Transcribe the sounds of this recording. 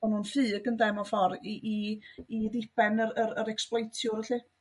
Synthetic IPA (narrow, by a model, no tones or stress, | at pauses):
ɔnhuːnfɨːɡəndɛmɔfɔɾiʔiː | ðɪpɛnəɾəɾəɾɛksplˠejtʰjʊɾəɬɨ